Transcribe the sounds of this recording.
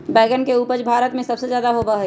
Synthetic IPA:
bɛːɡənkeuːpəɾd͡ʒbʱaːɾət̪mẽsɐbsezjaːd̪aɦobəɦ

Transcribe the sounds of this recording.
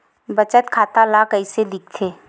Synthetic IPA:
bət͡ʃət̪kʰaːt̪alakəiselɪk̚ʰt̪ʰeː

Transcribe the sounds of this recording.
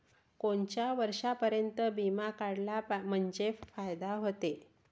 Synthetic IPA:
koɳt͡ɕjaʋəɾʂapəɾjənt̪əbimakaɽlam̤əɳd͡ʑefajd̪aɦot̪e

